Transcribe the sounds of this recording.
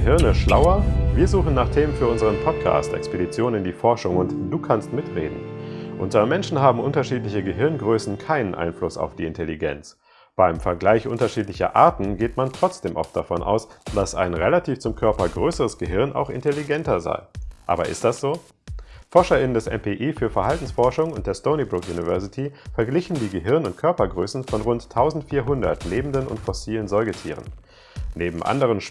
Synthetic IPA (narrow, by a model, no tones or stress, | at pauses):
əɦɪɐnəʃlaʊɐviːɐzuːχn̩naːχtʰeːmənfyːɐʊnzəʁ̞ənpʰɔt̚kʰa̰ːstʔɛ̰kspedit͡sjoːnənɪndiːfɔɐʃʊŋʊntd̥uːkʰanstmɪtʁḛːdn̩ʔʊ̰ntɐmɛnʃn̩ɦaːbm̩ʔʊntɐʃiːtlɪçəɡəɦɪɐnɡʁøːsn̩kʰaɪnənʔa̰ɪnflʊsa̰ʊfd̥iːɪntɛliɡɛ̰nt͡s | b̥aɪmfɛɐɡlaɪçʔʊntɐʃiːtlɪçɐ̰ʔa̰ːɐtn̩ɡeːtmantʁ̥ɔt͡sd̥eːmʔɔ̰ft̚d̥afɔnʔa̰ʊsd̥asʔa̰ɪnʁelatʰiːft͡sʊmkʰœɐpɐɡʁøːsəʁəsɡ̥əɦɪɐnʔa̰ʊxɪ̰ntɛliɡɛntɐza̰ɪʔa̰ːbɐʔɪ̰std̥asz̥oː | fɔɐʃɐɪnəndɛsʔɛ̰mpʰeʔiːfyːɐfɛɐɦaltn̩sfɔɐʃʊŋʊnt̚d̥eːɐstoʊnibʁʊkjuːnivɛɐsɪtʰifɛɐɡlɪçn̩diːɡəɦɪɐnʊntkʰœɐpɐɡʁøːsn̩fɔnʁʊntʰːaʊzn̩tfiːɐɦʊndɐ̰tleːbm̩dənʊ̰ntfɔsiːlənzɔʏɡətʰḭːʁ̞ə̰n | neːbm̩ʔa̰ndəʁ̞ənʃ